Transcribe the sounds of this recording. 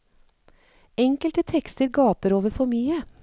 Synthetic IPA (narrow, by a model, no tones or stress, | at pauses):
ɛŋkəlt̪ət̪ʰɛkst̪əɾɡɑːpəɾoːʋəɾfɔɾmyːə